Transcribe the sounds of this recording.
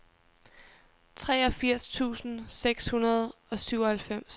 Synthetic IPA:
t͡sʰʁɛːɒ̽fiɐ̰st͡sʰṵːsn̩seɡ̥shunɐð̞̩ˠɒ̽syʊɒ̽hælfem̰s

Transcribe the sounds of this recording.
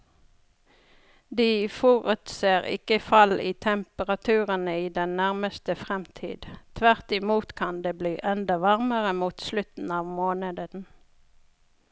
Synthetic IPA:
d̪iːfɔʁʉt̪seːʁɪ̰kəfɑliːt̪ʰɛmpəʁɑt̪ʰʉːʁənəiːd̪ɛnnæʁməst̪əfʁɛmt̪ʰḭːd̪t̪ʰʋæʁt̪ɪmuːt̪kʰɑnd̪eːbliːʔɛnd̪ɑʋɑʁməʁəmuːt̪slʉt̪n̩ɑːʋmoːnəd̪ən̩

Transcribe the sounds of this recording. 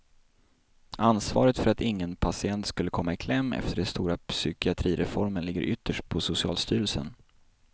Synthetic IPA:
ʔansvɑ̰ːɾət̪fœɾat̪ɪŋːənpʰasɪɛnt̪skɵlːəkʰɔmːaɪkʰlɛmːɛ̰ft̪əɖɛnst̪uːɾapsʏkɪat̪ʰɾiːɾɛfɔɾmənlɪɡːə̰ɾʔʏt̪ʰːəʂʈ̚pʰɔsʊsɪɑ̰ːlst̪yːɾəlsə̰n

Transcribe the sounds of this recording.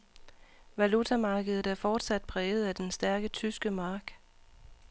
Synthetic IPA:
ʋælut͡sʰæmɑ̈ːɡ̥əð̩ˠd̩ˠæɐfɒːd̥sæd̥̚pʰʁɛːʊð̞̩ˠæd̥ensd̥æɐɡ̥ət͡sʰysɡ̥əmɑ̈ːɡ̥

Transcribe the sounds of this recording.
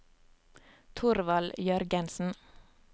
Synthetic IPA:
t̪ʰʊɾʋɑljœɾɡənsn̩

